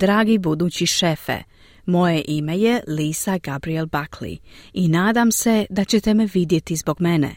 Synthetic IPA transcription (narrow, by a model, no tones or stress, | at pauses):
d̪ɾaːɡibud̪uːt͡ɕiʃefḛ | mo̞jeʔimeje̞liːsaɡabɾielbakʰlḭinaːd̪amse̞d̪at͡ɕet̪e̞meʋid̪je̞t̪izbo̞ɡmenḛ